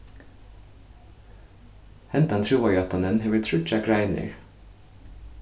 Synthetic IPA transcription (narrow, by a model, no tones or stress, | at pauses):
hɛnt̪ɑnt̪ʰɹuːʋɑʏɡɑt̪ɑnənheːʋət̪ʰɹʉt͡ʃækɹæɪnə̰ɹ